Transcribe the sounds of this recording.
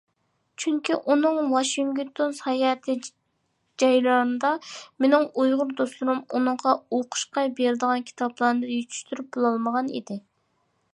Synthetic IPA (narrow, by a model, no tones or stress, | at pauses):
t͡ʃʰyŋkʲiʔunɨŋwɑʃiŋɡt̪ʰonshɑjɛt̪ʰɨ | d͡ʒɑjlˠɑɾɨnd̪ɑmenɪŋujʁʊɾd̪oslˠuɾumunɨŋʁɑoqʰʊ̥ʃqɑjbeɾɪd̪əʁɑnkʲʰi̥t̪ʰɑblˠɑɾnɨjyt͡ʃʰy̥ʃt̪yɾyp̚b̥olˠɑlˠməʁɑnḭd̪ɪ